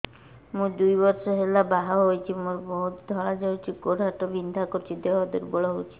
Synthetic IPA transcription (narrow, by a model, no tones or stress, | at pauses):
mũd̪ujbɔɾsɔɦelabaɦaɦojt͡ʃʰimuɾbɔɦut̪d̪ʱɔɭad͡ʒawt͡ʃʰikoɽɦaʈɔbind̪ʱakɔɾt͡ʃʰid̪eɔd̪ɔɾbɔɭɔɦowt͡ʃʰi̥